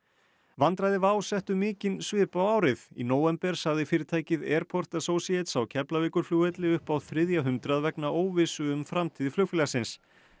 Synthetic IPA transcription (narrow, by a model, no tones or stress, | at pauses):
vant̪ɾaðɪvaːwsɛht̪ʏmɪːcɪnsvɪːpawaːwɾɪðḭnoːwɛmpɛɾ̥saɣðɪfɪːɾɪɾt̪ʰaːjcɪðɛːɾ̥pʰɔr̥t̪asoːwsiɛt̪sawcʰɛplavɪːkʏɾ̥fluːɛt̪lɪʏhpawðθɾɪðjaɦʏmt̪ɾaðvɛknaʔoːwvɪsʏʏmfɾamt̪ʰiːðɪflʏkfɪlasɪns